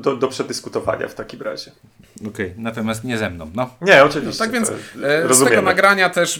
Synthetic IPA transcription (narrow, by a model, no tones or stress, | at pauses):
d̪ɔd̪ɔpʂɛd̪ɘskut̪ɔva̰ɲa̰ft̪akʲimɾa̰ʑɛ | ɔkɛjnat̪ɔmʲjast̪ɲɛzɛmnɔ̰̃w̃nɔɲɛɔt͡ʂɨvʲiɕt͡ɕt̪aɡvjɛnsɾɔzuɛmjɛɡɔmnaɡɾaɲat̪ɛʂ